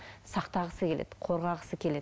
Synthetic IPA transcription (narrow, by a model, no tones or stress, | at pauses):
sɑqt̪ɑʁəsəkʲe̞lḛd̪qʰoɾʁɑʁəsəkʲʰe̞le̞